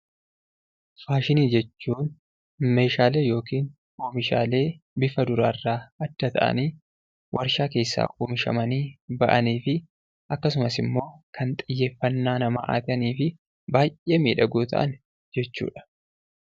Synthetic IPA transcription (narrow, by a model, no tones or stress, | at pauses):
faːʃɪniːd͡ʒɛt͡ʃːuːn | me̞ːʃaːle̞ːjo̞ːkiːn | oːmɪʃa̰ːle̞ː | bɪfɐd̪ʊɾaːɪrːaːɐd̪ːɐt̪ʰɐ̰ʔɐ̰niː | wʔɐɾʃaːke̞ːsːa̰ːkʼuːmɪʃɐ̰mɐniːbɐʔɐniːfɪ | ʔɐkːɐs̬ʊmɐsɪmːo̞ːkʰɐnt̪ʼɪjːe̞ːfːɐnːaːnɐma̰ːʔa̰ːt̪ɪɐniːfɪ | baːjʔʔe̞ːmiːᶑɐɡuːt̪ʰɐ̰ʔɐ̰n | d͡ʒɛt͡ʃːṵːᶑɐ̥